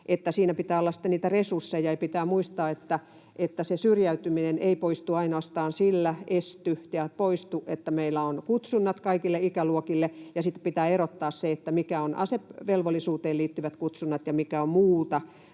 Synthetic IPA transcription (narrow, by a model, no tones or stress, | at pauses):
ʔet̪ːæsiːnæpit̪æːolːɑsi̥t̪ːeniːt̪æresursːejɑɑpit̪æːmuist̪ɑːet̪ːæ | ʔet̪ːæsesyrjæyt̪ymineneipoist̪uɑinoɑst̪ɑːnsilːæest̪yjɑpoist̪uʔʔet̪ːæmeilːæonkut̪sunːɑt̪kɑikilːeikæluokilːejɑsit̪ːpit̪æːerot̪ːɑːsseet̪ːæmikæonɑ̰sepʋelʋolːˑisuːt̪eːliːt̪ːyʋæt̪kut̪sunːɑt̪jɑmikæommuːt̪ɑ